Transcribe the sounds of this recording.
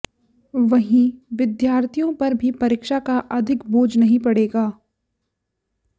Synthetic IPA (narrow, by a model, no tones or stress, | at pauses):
ʋɐɦĩʋɪd̪jaːɾt̪ʰijõpɐɾbʱipɐɾɪkʃakaʔɐd̪ʱɪkboːd͡ʒnɐɦĩpɐɽeːɡaː